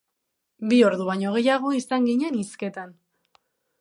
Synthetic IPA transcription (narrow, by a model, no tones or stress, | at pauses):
bio̞ɾðuβaɲo̞ɣ̞e̞jaɣ̞o̞isaŋɡiɲeniske̞t̪an